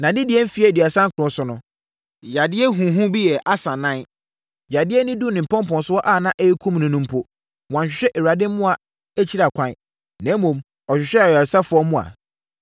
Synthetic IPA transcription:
nã˨dɪ˦dɪ˨˦ɛ˦m̩˦fi˨˦ɛ˦˨di˨a˨sã˦ŋ̩˦kʰʊ˨ɾʊ̃˦sʊ˨˦nʊ̃˦ | ja˨dɪ˦ɛ˦ɦũ˨ɦũ˦bi˦jɛ˨ʔa˦sã˨nã˦n | ja˨dɪ˦ɛ˦nʊ̃˦du˦nɪ̃˨m̩˨pʰɔ̃˦mpɔ̃˨nsʊ˦ɔ˦ʔaː˦˨nã˦ʔe˦kʰũ˦mnʊ̃˨nʊ̃˦m˦pʰo˦ | wã˨n˨ɕᶣɪ˨ɕᶣɛ˦ʔɛ˨wa˨dɪ̃˦m˦mʊ̃˦a˨ | æ˦t͡ɕʰi˦ɾa˨kʷʰã˦n˦ | nɛ̃˨˦mːõ˨m | ɔ˨ɕᶣɪ˨ɕᶣɛ˦˨a˨sa˦fʊ˨˦ɔ˦mʊ̃˦a̰˨

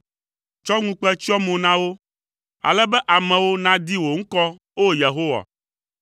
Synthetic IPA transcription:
t͡ʃɔ˦ŋũ˦k͡pɛ˦t͡ʃi˦ɔ˦mõ˨nã˦wo˦ | a̰˨lɛ˦bɛ˦ʔa˨mɛ̃˨wo˦nã˦d̪i˦wo˨ŋ̩˦kɔ˦ | wo˦je˨ɦo˦wa̰˨

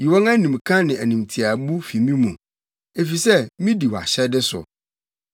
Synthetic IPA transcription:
ji˨wɔ̃˦ŋã˦nĩ˨m˨kʰã˦nɪ̃˨æ˨nĩ˨mtʰi˨a˨bu˦fi˨mĩ˦mũ˨ | e˨fi˨sɛ˦mĩ˦di˨wa̰˨ɕɛ˦dɪ˦sʊ̰˨

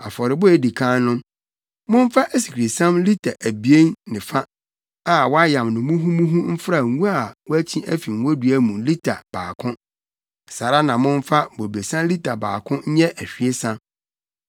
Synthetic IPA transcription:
a˨fɔ˨ɾɪ˨bʊ˦ɛ˦di˨kʰã˦nʊ̃˦ | mʊ̃˦n˦fa˦ʔæ˦si˨kʰɾe˨sã˦mli˦tʰa˨ʔæ˨bi˨e˦nnɪ̃˨fa˦ | a˨wɔ˦a˦jã˨mnʊ̃˨mũ˦ɦũ˦mũ˦ɦũ˦m̩˦fɾa˦˨˦ũ˦a˨wɔ˦æ˦t͡ɕʰĩ˦ʔæ˦fi˨ŋ˨˦ɔ˦dɥæ˦mũ˨li˦tʰa̰˨b̥aː˨kʰʊ̃˦˨ | saː˨ɾa˦nã˨mʊ̃˦ɱ˦fa˦bo˨be˨sã˦li˦tʰa˨ba̰ː˨kʰʊ̃˦ɲ̩˦ɲɛ˦ʔæ˨ɕᶣi˦e˦sã˦

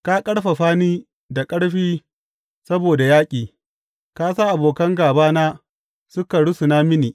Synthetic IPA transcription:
ka˦kʼɐ˦ɽɸa˨ɸaː˦niː˦ | da˨kʼɐ˦ɽɸiː˦ | sɐ˦boː˨da˨jaː˦kʲʼiː˨ | kaː˦sa˦ʔa˨boː˨kɐ˦ŋɡaː˨baː˦na˦ | sʊ˦ka˨ɽʊ˦su˨na˦mɪ˦niː˨

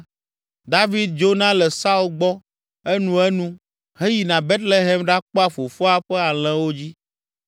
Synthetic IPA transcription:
d̪a˦vi˦d̪̚d͡ʒo˦nã˦lɛ˨sa˦u˦lɡ͡bɔ˦ | ɛ˦nũ˦ɛ˦nũ˦ | ɦe˦ji˨nã˨be˦t̪le˦ɦɛ˦mɖa˦k͡pɔ˦a˦˨fo˨fɔ˦a˦ɸɛ˦a˨l̃ɛ̃˦wo˦d͡ʑi˦

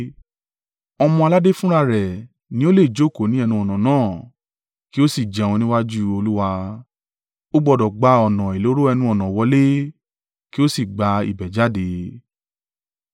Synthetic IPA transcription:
ɔ˧mɔ̃˧a˧la˦de˦fũ˦ɾa˧ɾɛ˨ | nĩ˨˦o˦le˦˨d͡ʒo˨˦˨ko˨nĩ˨˦ɛ˧nũ˧ɔ˨nã˨nãː˦˨ | ki˦o˦si˦˨d͡ʒɛ˨w̃ɔ̃˧nĩ˦wa˦d͡ʒu˦o˧lu˦wa˧ | o˦ɡ͡bɔ˧dɔ˨ɡ͡ba˧ɔ˨nã˨i˨lo˨˦ɾo˦ɛ˧nũ˧ɔ˨nã˨wɔ˧le˦ | ki˦o˦si˦˨ɡ͡ba˧ḭ˨bɛ˨d͡ʒa˨˦˨de˧

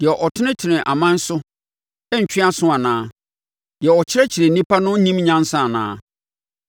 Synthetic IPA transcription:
dɪ˨ɛ˨ʔɔ˨tʰɪ˦nɪ̃˦tʰɪ˨nɪ̃˨ʔa˨mã˦n̩˦sʊ˦ | ɛ˦ɲ̩˨t͡ɕᶣɪ˦a˦sʊ̃˦a˨nãː˦ | dɪ˨ɛ˨ɔ˨t͡ɕʰɪ˦ɾɛ˦t͡ɕʰɪ˨ɾe˨n̩˨nĩ˦pʰa˦nʊ̃˦n˦nĩ˦mɲã˦n̩˦sã˦˨nã̰ː˦

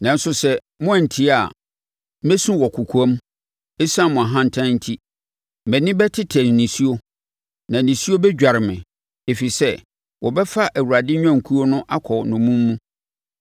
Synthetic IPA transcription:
nã˨n̩˦sʊ˦sɛ˦ | mʊ̃˦˨n̩˨tʰi˦a˨˦ | mɛ˦sũ˦wɔ˨kʰu˨kʰu˨a˦m | e˦sã˦mʊ̃˨a˨ɦã˦n̩˨tʰã˦n̩˦tʰi˦ | mɛ̃˨nɪ̃˦bɛ˦tʰɪ˦tʰɛ̃˨nː˨ĩ˨si˦o˦ | nã˨nĩ˨si˦o˦bɛ˦d͡ʑᶣa˨ɾɪ˨mɪ̃˨ | e˨fi˨sɛ˦ | wʔɔ˨bɛ˦fa˦ʔæ˨wu˨ɾa˨dɪ˦ɲᶣã˦˨ŋ˨kʰu˦o˦nʊ̃˦ʔa˦kʰɔ˨nʊ̃˨mũ˦mːũ˦

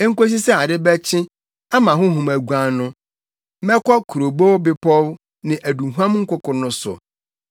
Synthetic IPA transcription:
ɛ˦ŋ̩˦ko˦s̬i˦sɛ˦a˨dɪ˦bɛ˦t͡ɕʰɪ̃˦ | a˦mã˨ɦʊ̃˦ɦũ˨mæ˨ɡʷã˨nʊ̃˦ | mɛ˦kʰɔ˦kʰu˨ɾo˨bo˦wbɪ˦pʰɔ˦w | nɪ̃˨ʔæ˨dũ˨ɦu˦ã˦mŋ̩˦kʊ˦kʊ˨nʊ̃˦sʊ̰˨

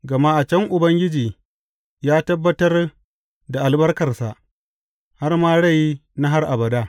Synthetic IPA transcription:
ɡɐ˨ma˦ʔa˨t͡ʃɛ˦ŋʔʊ˨bɐ˦ŋɡʲɪ˦d͡ʒiː˨ | jaː˦tɐ˦bːɐ˦tɐ˦r | da˨ʔa˨lbɐ˦rkɐ˨rsa˨ʔ | ha˦rmaː˦ɽa˦˨jna˦ɦa˦rʔa˨bɐ˨daː˦

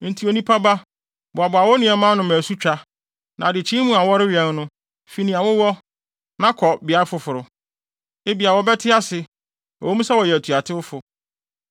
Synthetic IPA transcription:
n̩˨tʰi˨˦o˨nĩ˦pʰa˦ba˦ | bʊ˨a˨bʊ˨a˨wɔ˦nĩ˨ɛ˨mã˦nʊ̃˨mæ̃ː˨su˦t͡ɕᶣa˦ | nã˨dɪ˨t͡ɕʰĩ˦mũ˦a˨wɔ˦ɾɪ˦ɥi˨ɛ̃˨˦n˦nʊ̃˦ | fi˨˦nĩ˨a˨wʊ˦wɔ˦ | nã˦kʰɔ˨bɪ˨a˦ɪ˦fʊ˨fʊ˨ɾʊ˨ | e˦bi˨a˨wɔ˨˦bɛ˦tʰɪ˦a˦sɪ˨ | ɔ˨o˦mũ˦sɛ˦wɔ˨jɛ˨æ˨tʰu˨a˨tʰɪ˦wʊ˦fʊ˨

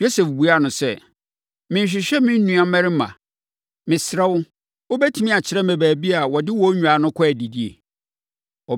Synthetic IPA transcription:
jo˦se˨fbu˨a˦˨nʊ̃˨sɛ˦˨ | mɪ̃˨ɲ̩˨ɕ̬ᶣɪ˨ɕᶣɛ˦mɪ̃˦n̩˦nũ˨˦a˦mɛ̃˦ɾɪ˦mã̰˨ | mɪ̃˨sɾɛ˦wʊ˦ | o˦bɛ˦tʰĩ˨˦mĩ˦a˨t͡ɕʰɪ˨ɾɛ˦mɛ̃˨bæː˨bi˦a˨wɔ˨dɪ˦wɔ˦ɲᶣũ˨a˨˦nʊ̃˦kʰɔ˦æ˨di˨di˦ḛ˨ | ɔ˨

